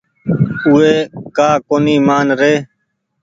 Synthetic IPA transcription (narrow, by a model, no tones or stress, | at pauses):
ʊeːkaːkoːniːmaːnɾeː